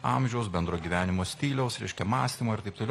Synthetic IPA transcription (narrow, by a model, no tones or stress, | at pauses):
ɑmʲʒʲɛʊs̬bʲɛnd̪ɾoːɡʲiːʋʲæːnʲɪmoːsʲt̪ʲiːlʲɛʊsɾʲɛɪʃʲkʲɛmɑːsʲt̪ʲiːmoːɪɾt̪ɐɪp̚t̪oːlʲɛ